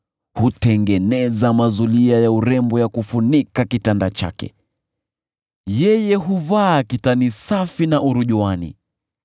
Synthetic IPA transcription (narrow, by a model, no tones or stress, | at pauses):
hutɛŋɡɛnɛzamazuliajauɾɛmbɔjakufunikakitandat͡ʃa̰kɛ̰ | jɛjɛɦuvaːkitanisafinaʔuɾuʄuanḭ